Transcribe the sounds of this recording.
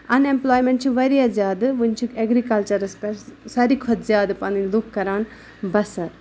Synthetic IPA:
ɐnemploːjmẽɳʈ̚t͡ʃʰiʋɐɾijazʲjaːd̪ɨʋunʲt͡ʃʰukeɡɾikɐlt͡ʃɐɾɐspeɾsɐɾikʰɔt̪zjaːd̪ɨpɐnilukkːɐɾaːn | bɐsɐɾ

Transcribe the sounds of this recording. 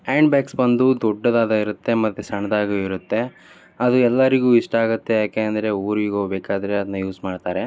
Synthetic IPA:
eːɳɖbjaːksbɐnd̪ud̪ɔɖːɐd̪aːd̪ɐiɾut̪ːe̞mɐt̪ːesɐɳɐd̪aːɡoiɾut̪ːe̞ | ɐd̪uɛlːɐɾiɡuːiʂʈɐaːɡɐt̪ːe̞jaːkeːɐnd̪ɐɾe̞uːɾiːɡoːbeːkaːd̪ɐɾeɐd̪ɐnːɐjuːsmaːɖt̪aːɾe̞

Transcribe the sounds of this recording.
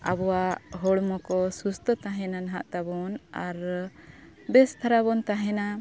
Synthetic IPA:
abɔwaɦɔɽmɔkɔsust̪ʰət̪aɦɛnanaɦaʔt̪abɔnaɾ | bɛst̪ʰaɾabɔnt̪aɦɛna

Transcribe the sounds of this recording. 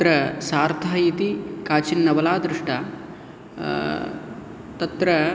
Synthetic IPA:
ɾɐsaːɾt̪ʰaːjit̪ikaːt͡ʃinːɐʋɐlaːd̪ɾɪʂʈʰa | t̪ɐt̪ɾɐ

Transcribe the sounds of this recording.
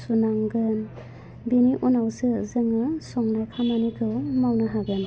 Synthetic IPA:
sunaŋɡɯn | biniʔunawsɯzɯŋɯsɔŋnajkʰamanikʰɯwmawnɯɦaɡɯn

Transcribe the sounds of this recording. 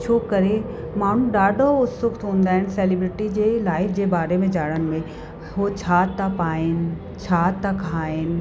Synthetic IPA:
t͡ɕʰoːkɐɾe | maːn̤ũɖaːɖʱoʊt̪sʊkt̪ɦũːnd̪aːɦɪnɪ̆seːlɪbɾɪʈid͡ʑeːlaːɪfʰd͡ʑeːbaːɾemẽd͡ʑaːɽənɪ̆mẽ | ɦot͡ɕʰaːt̪apaːenɪ̆ | t͡ɕʰaːt̪akʰaːenɪ̆

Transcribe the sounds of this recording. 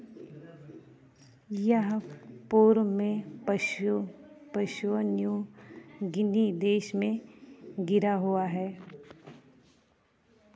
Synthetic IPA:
jəɦpuːɾmẽpʃu | pəʃonju | ɡɪnid̪eːʃmẽɡɪɾaɦuaɦɛː

